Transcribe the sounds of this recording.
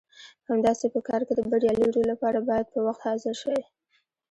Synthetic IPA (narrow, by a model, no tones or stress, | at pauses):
hamd̪ɑsepəkɑɾked̪əbaɽjɑliɖolapɑɾabɑjad̪̚pəwaxt̪hɑzɪɾʃawi